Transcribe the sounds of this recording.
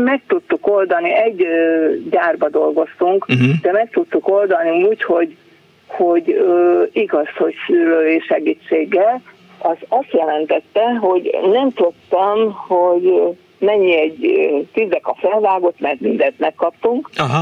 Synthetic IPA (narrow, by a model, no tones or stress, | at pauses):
mɛk̚t̪ut̪ːuko̞ld̪ɒniɛɟːɟaːrbɒd̪o̞lɡo̞st̪uŋkd̪ɛmɛkt̪ut̪ːuko̞ld̪ɒniuːcho̞ɟ | ho̞ɟ | iɡɒsho̞csyɾøːʃɛɡiːt͡ʃːeːɡːɛl | ɒzɒst̪jɛlɛnt̪ɛt̪ːɛɦo̞ɟnɛmt̪ot̪ːɛmho̞ɟ | mɛɲːiɛɟt̪yzɛkɒfɛlvaːɡo̞t̪mɛrt̪mind̪ɛnt̪mɛkːɒpt̪uŋkɦ